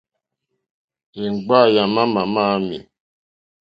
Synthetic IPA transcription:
e˨ŋ̩˨ɡ͡ba˦˨ja˨ma˦ma˨ma˦mḭ˨

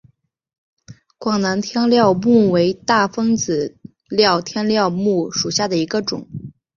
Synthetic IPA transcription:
kwɑ˨˩ŋna˧˥nt̪ʰjɑ˥ŋljɑ˥˧ʊmu˥˩we˧˥ɪt̪a˥˩fɤ˥ŋt͡sɹ̩˨˩ | ljɑ˥˩ʊt̪ʰjɛ˥nljɑ˥˧ʊmu˥˩ʂu˨˩ɕja˥˩d̪ə˩i˧˥ɡə˧ʈ͡ʂʊ˨˩˦ŋ

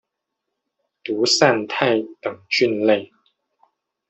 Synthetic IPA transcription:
t̪u˨˥sa˥˧nt̪ʰa˥˩ɪt̪ɤ˨˩ŋt͡ɕy˥˧nle˥˩ɪ

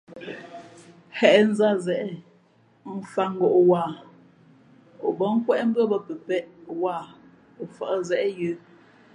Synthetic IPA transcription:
hɛ˨ʔɛ˦˨n̩˦za˦˨zɛ˨ʔɛ˦ | m̩˦fa˦ŋ̩˦˨ɡo˨ʔwaː˦˨ | o˨bə˨˦ŋ̩˦kwɛ˦ʔm̩˦bɰə˦˨bə˦˨pə˨pɛ˦ʔwa˦˨ | o˨fə˨ʔə˦zɛ˦ʔɛ˦jə˦

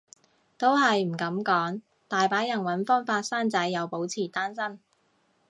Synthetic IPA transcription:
t̪o˥whɐ˨jm̩˨˩kɐ˨˥mkɔː˨˥ŋ | t̪aː˨jpaː˨˥jɐ˨˩nwɐ˨˥nfɔː˥nfaː˧t̚saː˥nt͡sɐ˨˥jːɐ˨˧wpo˨˥wt͡sʰiː˨˩t̪aː˥nsɐ˥n

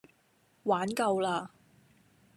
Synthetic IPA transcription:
waː˨˥nkɐ˧wlaː˧

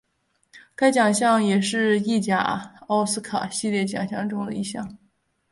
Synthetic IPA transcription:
ka˥ɪt͡ɕjɑ˨˩ŋɕjɑ˥˩ŋjɛ˨˩ʂɻ̩˥˧i˥˩t͡ɕja̰˨˩ɑ˥ʊsɹ̩˥kʰa̰˨˩ɕi˥˧ljɛ˥˩t͡ɕjɑ̰˨˩ŋɕjɑ̰˥˩ŋʈ͡ʂʊ˥ŋd̪ə̰˨˧i˥ɕjɑ̰˥˩ŋ

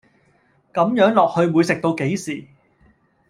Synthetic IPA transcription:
kɐ˨˥mjœː˨˥ŋlɔː˨k̚hɵ˧ɥmuː˨˧jsɪ˨k̚t̪o˧wke˨˥jsiː˨˩

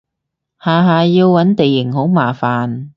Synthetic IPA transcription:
haː˨˩ɦaː˨˩ji˧wwɐ˨˥nt̪i˨˩jɪ˨˩ŋho˨˥wmaː˨˩faː˨˩n

